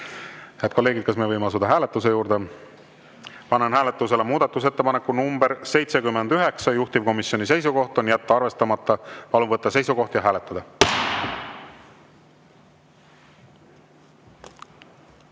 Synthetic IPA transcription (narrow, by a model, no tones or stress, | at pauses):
heɑd̪̚ko̞lːe̞ːɡid̪̚kɑsmeːɤjmeɑs̬ud̪̥ɑɦæːle̞t̪ːˑus̬e̞juːɾd̪̥e̞ | pɑnenɦæːle̞t̪ˑːuse̞le̞muːd̪̥ɑt̪ːˑus̬et̪ːe̞pɑne̞kːˑunumb̥e̞ɾse̞jt̪se̞kymːend̪̥yɦe̞ksɑjuht̪ib̥̚ko̞misjo̞nis̬e̞jsuko̞ht̪ˑo̞njæt̪ːɑɑrve̞st̪ɑmɑt̪ːˑɑpɑluvɤt̪ːɑse̞jsuko̞ht̪jɑɦæːle̞t̪ːˑɑd̪ɑ